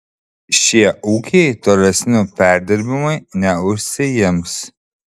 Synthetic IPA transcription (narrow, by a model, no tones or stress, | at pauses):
ʃʲiɛʔuːkʲejt̪ɔlʲɛsʲnupʲæɾʲd̪ʲɪɾʲbʲɪmɐjnʲɛʊʃʲsʲɪjɪms